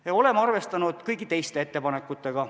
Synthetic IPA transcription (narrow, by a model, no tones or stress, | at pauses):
jɑo̞le̞mɑrve̞st̪ɑnud̪̥kɯjɡit̪e̞jst̪eet̪ːe̞pɑne̞kːˑut̪ːˑe̞ɡ̥ɑ